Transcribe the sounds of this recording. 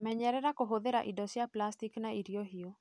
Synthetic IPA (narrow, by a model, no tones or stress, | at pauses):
mɛɲɛɾɛɾakoɦoðeɾa̰ʔidɔsiaplastiknaiɾiɔɦio